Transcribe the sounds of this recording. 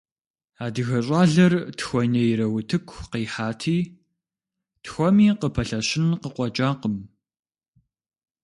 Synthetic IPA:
aːdɨɣɐɕʼaːɮɐrtʰxʷɔnɐjɪɾɐwʊtʰɨkʷʰqiːħaːtʰiː | txʷɔmiːqəpʰɐɬɐɕɪnqəqʷʼɔt͡ʃʼaːqəm

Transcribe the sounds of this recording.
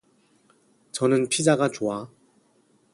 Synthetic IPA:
t͡ɕʌnɯnpʰid͡ʑaɡat͡ɕoa

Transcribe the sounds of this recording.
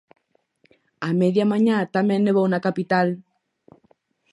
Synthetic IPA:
ameðjamaɲat̪amẽnːeβownakapit̪al

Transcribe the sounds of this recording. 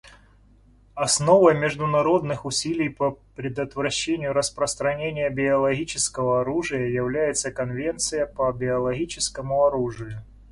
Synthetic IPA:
ɐsno̞vəjmʲɪʐd̪ʊnɐɾo̞d̪nɨxʊsʲilʲɪjpəpɾʲɪd̪ət̪vɾɐɕːenʲɪjʊɾəspɾəst̪ɾɐnʲenʲɪjəbʲɪɐlˠɐɣʲit͡ɕɪskəvəɐɾuʐɨjəjɪvlʲæjɪt̪səkɐnvʲe̞nt̪sɨjəpəbʲɪɐlˠɐɣʲit͡ɕɪskəmʊɐɾuʐɨjʊ

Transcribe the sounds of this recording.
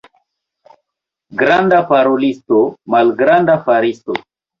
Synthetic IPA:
ɡɾand̪apaɾolistomalɡɾandafaɾisto̰

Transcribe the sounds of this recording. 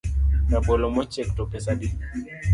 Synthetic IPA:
nabɔlɔmɔt͡ʃɛktɔpɛsaɗi

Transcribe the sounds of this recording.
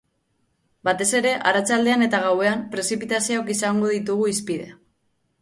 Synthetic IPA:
bat̪e̞se̞ɾe̞ʔaɾat͡sald̪e̞ane̞t̪aɣ̞awe̞ampɾe̞sipit̪asiookisaŋɡo̞ðit̪uɣuispiðe̞̰

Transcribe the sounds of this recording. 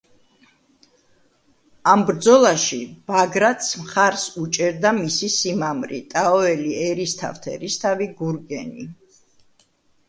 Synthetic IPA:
ambɾd̪zɔlˠaʃib̥aɡɾat̪ʰsmχaɾsut͡ʃʼɛɾd̪amisisimamɾḭt̪ʼaɔɛliɛɾist̪ʰa̰ft̪ʰɛ̰ɾist̪ʰaviɡuɾɡɛnḭ

